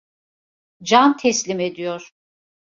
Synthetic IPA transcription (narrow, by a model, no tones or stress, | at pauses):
d͡ʒant̪ʰɛslʲimed̪ijoɾ̥